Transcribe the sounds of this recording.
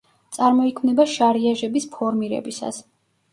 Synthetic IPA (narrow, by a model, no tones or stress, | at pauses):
t̪sʼaɾmɔikʰmnɛbaʃaɾiaʒɛbispʰɔɾmiɾɛ̰bisa̰s